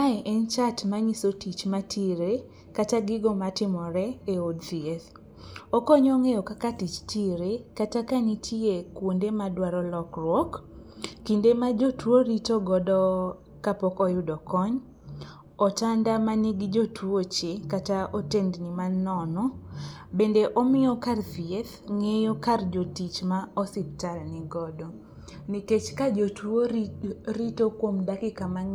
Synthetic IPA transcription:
ajʔɛnt͡ʃatmaɲisotit͡ʃmatʰiɾe | kataɡɪɡɔmatɪmɔɾɛeodtieθ | ɔkɔɲɔŋejɔkakatit͡ʃtiɾekatakanitʰjiekwondemadwaɾɔlɔkrwɔk | kindemad͡ʒotwoɾitoɡɔdɔ | kapɔkɔjʊdɔkɔɲ | ɔtandamaniɡd͡ʒotwot͡ʃekataʔotendnimanːɔnɔbendeʔɔmɪɔkarsieθŋejokard͡ʒotit͡ʃmaɔsɪp̚talnɪɡɔdɔ | niket͡ʃkad͡ʒotwo | ɾitokwomdakɪkama

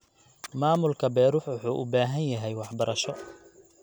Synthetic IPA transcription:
maːmʊlkʰɐbɛːɾʊħwʊħuːʔʊbaːɦɐnjɐɦɛjwɑħbɐɾʔɐʃɔ

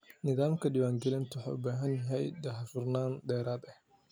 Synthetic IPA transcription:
nɪðaːmkʰɐɖiːwaːŋɡɛlɪnt̪ʰʊħɑ̰ʊ̰baːɦɐnjɐɦɛjd̪ɛɦɑfʊrnaːnd̪ɛːɾaːd̪ɐh

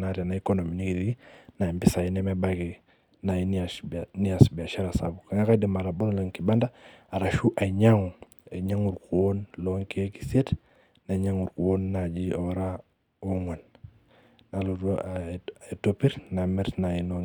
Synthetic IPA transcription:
naɾianaikonominikiɾiɡinambisajinɛmɛbaɡi | najinaniasbiaʃaɾasa̰bukaŋakadimaɾabolloŋkibanda | aɾaʃuʔaɲaŋu | eɲaŋuɾkuwonloŋkieki̥set | naɲaŋuɾkuwonːad͡ʒioɾa | oŋan | nalu | etopiɾnamɛɾnajinoŋ

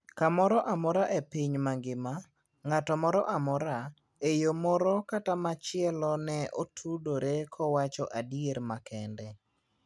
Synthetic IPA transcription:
kamɔɾɔʔamɔɾaʔepiɲmaŋɡɪma | ŋatɔmɔɾɔʔamɔɾa | ejomɔɾɔkatamat͡ʃɪɛlɔnɛʔotʰudoɾekʰɔwat͡ʃɔʔadieɾmakʰɛndɛ

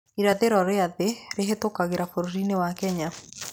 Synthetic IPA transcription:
iɾaðeɾɔɾeaðeɾeɦetokaɣeɾafoɾɾinewakɛɲa

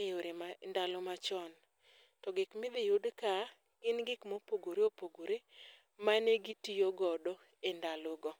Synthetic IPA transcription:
eoɾemandalomat͡ʃɔn | tɔɡɪkmɪd̪ɪjʊdka | ɡɪnɡɪkmopoɡoɾeopoɡoɾe | manɛɡɪtijoɡɔdɔ | endaloɡɔ

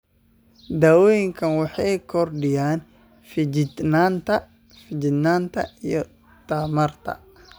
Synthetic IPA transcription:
d̪aːwɔːjɪŋkʰɐnwɑħɑjkʰɔrɖɪjaːn | fɪd͡ʒɪd̪naːnt̪ʰɐ | fɪd͡ʒɪd̪naːnt̪ʰɐ̰ijɔ | t̪ʰɐmɐrt̪ʰɐ̰

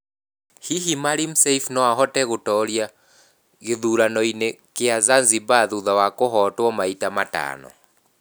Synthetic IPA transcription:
hiɦimaɾim̩sɛifnɔaɦɔtɛɣotɔɾja | ɣeðuɾanɔine | keazanzibaðuðawakoɦɔtwɔmaitamata̰ːnɔ̰

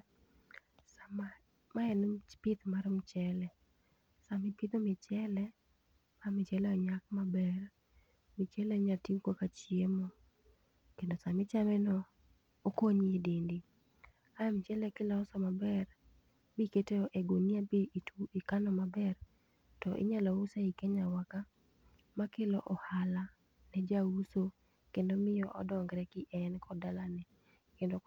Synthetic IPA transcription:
sama | maɛnpɪt̪maɾɔmt͡ʃɛlɛ | samɪpɪt̪omɪt͡ʃɛlɛ | samɪt͡ʃɛlɛɔɲakmabɛr | mɪt͡ʃɛlɛɲatikwokat͡ʃemo | kendosamɪt͡ʃamɛnɔ | okoɲidindi | amt͡ʃɛlɛkɪlɔːsɔmabɛr | biketeɔʔɛɡoniabituikanɔmabɛr | tɔʔɪ̰ɲalousaikeɲawaka | makelɔʔɔhala | nɛd͡ʒauso | kendomɪjɔʔɔdɔŋɡɾɛkɪʔɛnkʰɔdalanɛ | kendo

